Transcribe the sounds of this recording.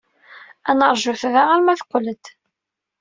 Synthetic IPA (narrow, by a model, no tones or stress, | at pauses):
ænəɾˤʒuθðæʁæɾmæθqʷːələd̪